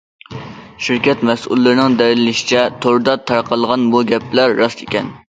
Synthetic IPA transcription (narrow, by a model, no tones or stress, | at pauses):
ʃiɾkʲɛt̪mɛsʔṵlˠːɨɾɪnɪŋd̪ɛɾɪlɪlɪʃɪ̥t͡ʃʰɛt̪ʰoɾd̪ɑt̪ʰɑɾqʰɑlˠʁɑnbuɡʲɛpʰlæɾːɑsʰekʲɛn